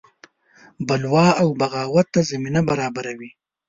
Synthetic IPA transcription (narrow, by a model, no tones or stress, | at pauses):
balwɑawbaɣɑwat̪ːazaminabaɾɑbaɾawi